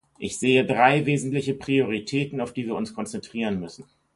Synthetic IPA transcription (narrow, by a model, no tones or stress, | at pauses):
ʔɪçz̥eːədʁaɪveːzn̩tlɪçəpʁ̥ioʁ̞itʰɛːtn̩aʊfd̥iːviːɐʊnskʰɔnt͡sɛntʁ̥iːʁənmʏsn̩